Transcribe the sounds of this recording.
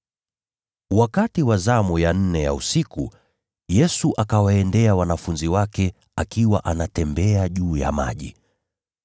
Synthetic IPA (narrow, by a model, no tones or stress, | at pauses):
wakatiwazamujan̩nɛja̰usiku | jɛsuʔakawaɛndɛawanafunziwakɛ | akiwaʔanatɛmbɛaʄuːja̰ma̰ʄi